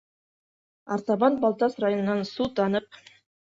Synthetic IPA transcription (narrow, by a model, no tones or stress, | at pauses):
ɑɾt̪ɑβɑnbɑlˠt̪ɑsrajonɤ̆nɑnsut̪ɑnɤp̚